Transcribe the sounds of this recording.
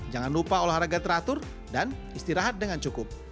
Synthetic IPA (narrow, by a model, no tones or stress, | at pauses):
d͡ʒaŋanlupaolahɾaɡat̪əɾat̪ʊr | danist̪iɾaɦat̪̚dəŋant͡ʃukʊp̚